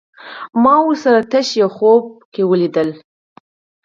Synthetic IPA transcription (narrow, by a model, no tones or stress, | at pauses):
mɑwʊɾsaɾat̪aʃjawxob̚kewəlid̪əl